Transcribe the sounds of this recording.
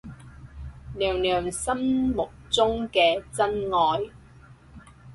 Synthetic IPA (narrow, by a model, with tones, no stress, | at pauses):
lœː˨˩ŋlœː˨˩ŋsɐ˥mmʊ˨k̚t͡sʊ˥ŋkɛː˧t͡sɐ˥nŋɔː˨j